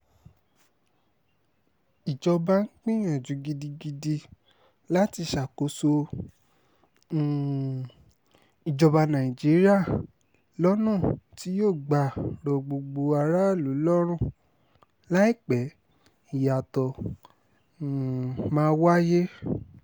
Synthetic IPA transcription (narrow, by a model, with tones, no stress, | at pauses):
i˨d͡ʒɔ˧ba˧˦ŋ̩˦k͡pĩ˦j̃ã˨d͡ʒũ˨˦ɡi˧di˧ɡi˧di˧ | la˦ti˧ʃa˨ko˨˧˦so˧˨ | i˨d͡ʒɔ˧ba˧nã˨i˨d͡ʒi˨˦ɾi˦a˦˨ | lɔ˦nũ˦˨ti˦joː˦˨ɡ͡ba˨ɾɔ˨ɡ͡bo˧ɡ͡bo˧a˧ɾa˦˨lu˨˦lɔ˦ɾ̃ũ˦˨ | la˦i˦˨k͡pɛ˨˦ | i˦˨ja˨tɔ˧˨ | mãː˦wa˦je˦